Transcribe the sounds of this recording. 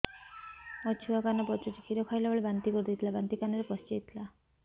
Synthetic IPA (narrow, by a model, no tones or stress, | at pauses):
ɔt͡ʃʰuakanɔpɔt͡ʃɔt͡ʃekʰiɾɔkʰajlaboɭebant̪ikɔɾd̪it̪ʰilabant̪ikanɔɾepɔst͡ʃejt̪ʰila